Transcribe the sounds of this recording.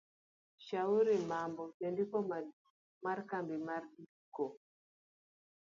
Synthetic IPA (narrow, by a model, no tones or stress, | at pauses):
ʃauɾimambɔtendikɔma | maɾkambimarɗi | kɔ